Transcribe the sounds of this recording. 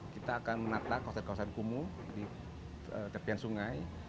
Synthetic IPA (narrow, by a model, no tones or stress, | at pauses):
kit̪aːkanmənat̪akːawasər̚kawasankumu | di | əd͡ʒapiansuŋaj